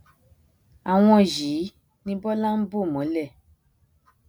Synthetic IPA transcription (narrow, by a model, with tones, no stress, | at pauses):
a˨w̃ɔ̃˧˨ji˨˦ | nĩ˧bɔ˦lã˦m̩˦bo˦˨mɔ̃˨˦lɛ˦˨